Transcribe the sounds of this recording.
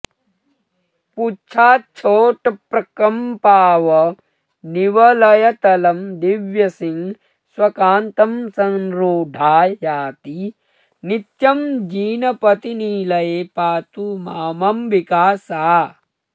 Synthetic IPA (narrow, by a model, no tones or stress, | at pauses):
put͡ʃʰaːt͡ʃʰoːʈɐpɾɐkɐmpaːʋɐ | niʋɐlɐjɐt̪ɐlɐmd̪iʋjɐsiŋ | swɐkaːnt̪ɐmsɐŋɾoːɖʱaːjaːt̪i | nit̪jɐmd͡ʒiːnɐpɐt̪iniːlɐjepaːt̪umaːmɐmʋikaːsaː